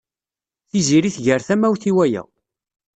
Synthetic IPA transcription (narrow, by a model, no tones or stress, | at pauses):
θiziɾiθʝəɾθæmæwθiwæjæ̰